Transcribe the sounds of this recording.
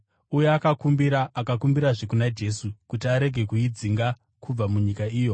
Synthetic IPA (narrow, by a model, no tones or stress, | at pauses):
ujeakakumbiɾaːkakumbiɾaʐe̞kunad͡ʒe̞sukutiaɾe̞ɡʱe̞kuid͡ziŋɡa | kʰub͡vamuɲikaiːjo̞